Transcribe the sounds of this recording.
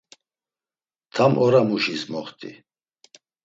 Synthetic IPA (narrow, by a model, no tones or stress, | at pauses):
t̪ʰamʔɔɾamuʃismɔχt̪ʼḭ